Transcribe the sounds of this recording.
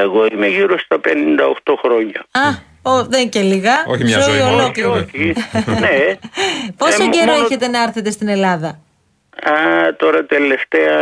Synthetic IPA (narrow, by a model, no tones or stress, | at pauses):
eɣo̞imeʝiɾost̪ɐpenind̪ɐoxt̪o̞xɾo̞ɲɐɐ | oðeceliɣɐoçioiolokliɾoine | posoɟeɾoeçe̞t̪e̞nɐɐɾθet̪e̞st̪ine̞lɐðɐ | ɐt̪o̞ɾɐt̪e̞le̞ft̪eɐ